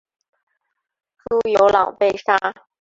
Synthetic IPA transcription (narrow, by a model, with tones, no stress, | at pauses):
ʈ͡ʂu˥jo˧˥ʊlɑ˨˩ŋpe˥˩ɪʂa˥